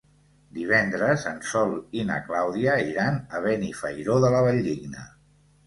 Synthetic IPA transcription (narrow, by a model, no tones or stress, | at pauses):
d̪iβ̞ɛnd̪ɾəzənsɔlinə̰klawðiəiɾanəβ̞ɛnifəjɾoðələβəʎːiɡnə̰